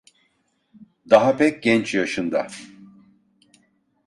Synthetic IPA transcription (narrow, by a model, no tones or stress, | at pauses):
d̪aɦapɛc̚ɟɛnt͡ʃjaʃɯnd̪a̰